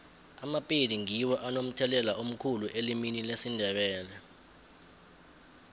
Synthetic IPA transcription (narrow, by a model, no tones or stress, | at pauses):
amapʼidiŋiwɔʔanom̩tʰɛlɛlaom̩kʰuluʔeliminilesindʱɛɓɛːlɛ